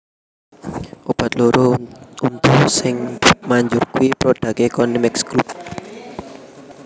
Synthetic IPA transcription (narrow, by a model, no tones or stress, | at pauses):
ʔob̥ä̤t̪̚loɾount̪usɪŋmaɲd͡ʒʊrkuipɾoɖ̥ä̤kekɔnimɛksɡɾup̚